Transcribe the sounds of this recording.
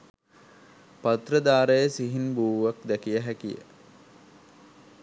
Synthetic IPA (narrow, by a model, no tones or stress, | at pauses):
pat̪rəd̪aːɾəjəsiɦinbuːʋak̚d̪ækijəɦækijə̰